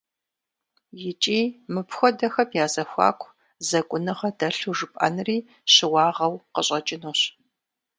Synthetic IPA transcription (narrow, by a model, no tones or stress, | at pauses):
jɪt͡ʃʼiːmɨpxʷɔdɐxɐpjaːzɐxʷa̰ːkʷʼʰ | zɐkʷʼʊnɨʁɐdɐɬuʒɨpʼɐ̰nɨriː | ɕɪwɑːʁɐwqəɕʼɐt͡ʃʼɪnuːɕ